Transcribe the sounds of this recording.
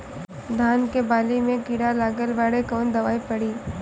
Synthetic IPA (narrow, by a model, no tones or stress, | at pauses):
d̪ʱaːnkebaːlimẽɡiɽalaːɡəlʋaːɽekɔːnd̪ɐʋaːipɐɽiː